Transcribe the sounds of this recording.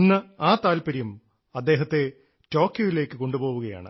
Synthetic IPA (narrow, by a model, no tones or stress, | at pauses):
nːɨaːt̪aːlpɐɾijum | ɐd̪ːe̞ːɦɐt̪ːe̞ | to̞ːkjɐjile̞ːkːɨko̞ɳɖubo̞ːʋuɣɐja̰ːɳɨ̰